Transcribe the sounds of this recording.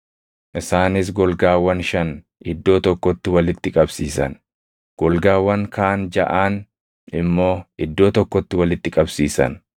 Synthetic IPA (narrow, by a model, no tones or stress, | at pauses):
ʔɪsaːnɪs̬ɡɔlɡaːwːɐnʃɐn | ɪd̪ːo̞ːt̪ɔkːɔt̪ːɪwɐlɪt̪ːɪkʼɐbsiːsɐ̰n | ɡ̥ɔlɡaːwːɐŋkaːnd͡ʒɐ̰ʔaːn | ɪmːo̞ːɪd̪ːo̞ːt̪ɔkːɔt̪ːɪwɐlɪt̪ːɪkʼɐbsiːsɐ̰n